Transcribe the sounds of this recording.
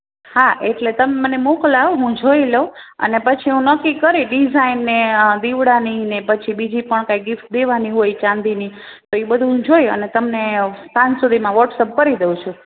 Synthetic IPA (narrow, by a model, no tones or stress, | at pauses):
haʔeʈlet̪əmemənemoklaʋoɦũd͡ʒʱoileuə̰nepət͡ʃʰiɦũnəkːikəɾiɖizainːed̪iʋɽaninepət͡ʃʰibid͡ʒipəɳkajɡɪft̪̚d̪eʋaniɦojt͡ʃãnd̪ini | t̪oebəd̪ʱũɦũd͡ʒojə̰net̪əmnest̪ansud̪ʱimãʋəʈsəp̚kəɾid̪eũt͡ʃʰu